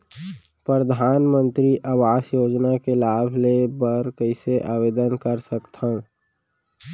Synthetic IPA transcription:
pɾəd̪ʱaːnmə̃nt̪ɾiʔaːʋaːsjoːd͡ʒnakelaːbʱlebəɾkəɪseʔaːʋeːd̪ənkəɾsəkt̪ã

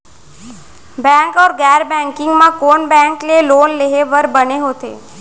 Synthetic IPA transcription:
bɛ̃ŋkɔːɾɡɛɾbɛ̃ŋkɪŋɡmãkoɳbɛ̃ŋklelonleɦeʋəɾbəneɦot̪ʰḛ

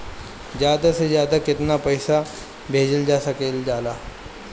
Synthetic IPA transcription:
d͡ʑjad̪ased͡ʑjad̪akɪt̪napəjsa | bʱed͡ʑəld͡ʒasəkeld͡ʑala

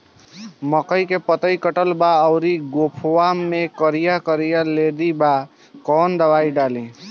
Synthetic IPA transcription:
məkəjkepət̪əjkəʈəlbaəwɾiɡopʰwamekəɾijakəɾijaled̪iba | kɔnd̪əbaiɖalĩ

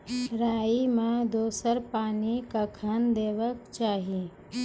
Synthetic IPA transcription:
ɾaːimãd̪oːsəɾpaːnikəkʰənd̪eːʋəkt͡ʃaːɦi

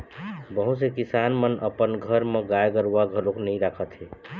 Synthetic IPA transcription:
bəɦut̪sekisanmənə̰pənɡʱəɾmẽɡajɡəɾuaɡʱəloknəĩɾakʰət̪ɦe

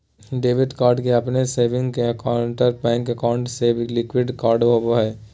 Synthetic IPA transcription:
ɖeːʋɪʈkaːɾɖkeɐpneseːʋɪ̃ŋɡkeəkaʊɳʈəɾpɛ̃ːŋkəkaːʊ̃ɳʈsebʱlɪkwɪɖkaːɾɖɦoboɦɛː

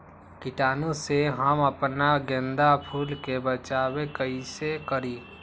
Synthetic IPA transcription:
kɪʈaːnõseɦəməpnaɡɛ̃nd̪apʰuːlkebət͡ʃaːwekəisekəɾiː

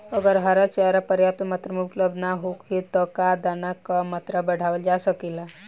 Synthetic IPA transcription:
əɡəɾɦaɾat͡ʃeaɾapəɾjap̚t̪mat̪ɾəmukləb̪naɦokɦit̪ɔkad̪anakamat̪ɾəbəɽ̤aʋəld͡ʒasəkila

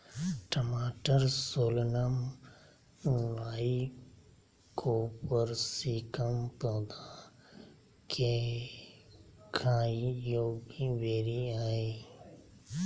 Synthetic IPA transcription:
ʈəmaːʈəɾsoːlnəm | ʋaːi | kʰopəɾsiːkəmpoːd̪a | kʰe | kʰãːijoːɡiʋeːɾiaːeː

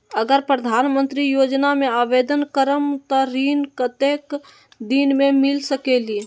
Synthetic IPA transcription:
əɡəɾpɾəd̪ʱaːnmə̃nt̪ɾijoːd͡ʒnamẽaːʋeːd̪ənkəɾəmt̪əɾiːnkət̪ek | d̪iːnmẽmɪlsəkeli

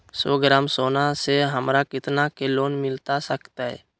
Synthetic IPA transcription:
so̰ːɡəɾaːmsoːnaseɦəmɾakɪt̪nakeloːnmɪlt̪asəkt̪aɦɛ̰ː

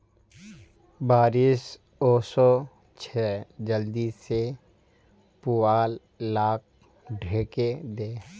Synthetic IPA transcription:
baːɾis | ɔːsɔ | t͡ʃʰɛːd͡ʒəld̪ise | puaːlː | aːk̚ | ɖʱeːked̪eː

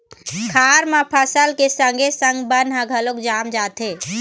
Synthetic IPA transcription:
kʰaːɾmãpʰəsəlkesə̃ŋɡʱesə̃ŋɡbɐnɦə̃ɡʱəlokd͡ʒaːmd͡ʒaːt̪eː

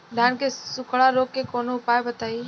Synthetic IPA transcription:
d̪ʱaːnkesʊkʰɭaɾoːkːekoːnoʊpaːebət̪aːiː

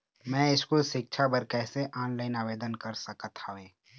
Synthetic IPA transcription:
mɛ̃ɪskoʃɪkʃʰabəɾkɛːseʔaːnlaːɪnaːʋeːd̪ənkɐɾsɐkət̪ʰaeː

